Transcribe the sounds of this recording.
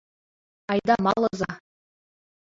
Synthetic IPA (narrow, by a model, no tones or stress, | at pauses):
ɑjd̪ɑmɑlˠɤ̆zɑ